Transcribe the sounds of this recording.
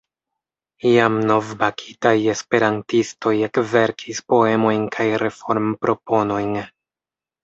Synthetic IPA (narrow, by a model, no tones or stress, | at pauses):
iamno̞vbakʰitaje̞spe̞ɾantisto̞je̞kve̞ɾkʰispo̞e̞mo̞jnkʰajɾe̞fo̞ɾmpɾo̞po̞no̞jn